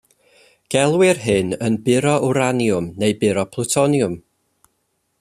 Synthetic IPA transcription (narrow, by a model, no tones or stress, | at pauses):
ɡ̥ɛlˠwɪrɦɨnənbɪɾɔʔuɾanjʊmnejbɪɾɔpʰlˠʊtʰɔnjʊm